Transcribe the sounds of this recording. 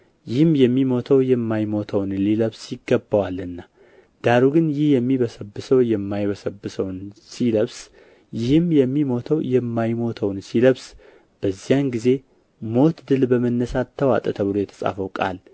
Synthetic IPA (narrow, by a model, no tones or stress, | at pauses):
jɪhɨmjɛmːimo̞t̪ʰəwjɛmːajmo̞t̪ʰəwnliləβsjɪɡːəbːawalːɨnːa | d̪̥aɾuɡɨnjɪhjɛmːiβəsəbːɨsəwjɛmːajβəsəbːɨsəwnsiləβs | jɪhɨmjɛmːimo̞t̪ʰəwjɛmːajmo̞t̪ʰəwnsiləβs | b̥əzːijanɡize̞ | mo̞t̪d̪ɨlbəmənːəsat̪ʰːəwa̰t̪ʼət̪ʰəβɨlo̞jɛt̪ʰə̥sʼa̰fəwkʼa̰l